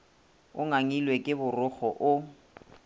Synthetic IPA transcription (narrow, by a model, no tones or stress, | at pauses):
ʊŋaŋilwekʼɪbʊrʊχɔʔʊ